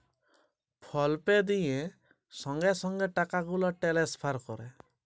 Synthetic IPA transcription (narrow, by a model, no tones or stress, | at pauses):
pʰɔlped̪ijẽ | sɔŋɡesɔŋɡeʈakaɡulɔʈelespʰaɾkɔɾɛ